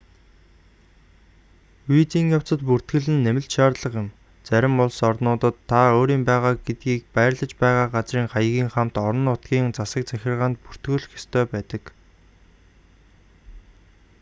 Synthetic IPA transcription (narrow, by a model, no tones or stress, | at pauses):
wit͡siːŋjaw̥t͡sə̆t̪̚pur̥t̪ɡɘ̆ɮɘ̆nːemɪ̆ɬʃaːrɮə̆qɪ̆m | t͡sæɾʲɪ̆mpɔɮsɔrnʊːt̪ə̆t̪ʰːaoːɾiːmpæːʁaːk̚ɡet̪̚ɡiːk̚pæːrɮə̆t͡ɕpæːʁaːɢat͡sriːŋχajəɣʲiːŋχam̥t̪ɔɾɞ̆nʊt̪ɡʲiːŋt͡sasə̆k̚t͡sæxʲɪ̆rʁaːnt̪pur̥t̪ɡɘ̆ɮ̆xe̥st̪ʰœːpæːt̪ə̆k